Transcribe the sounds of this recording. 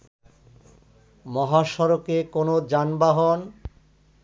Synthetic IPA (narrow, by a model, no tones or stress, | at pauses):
mɔɦaʃɔɾokekonod͡ʑanbaɦɔn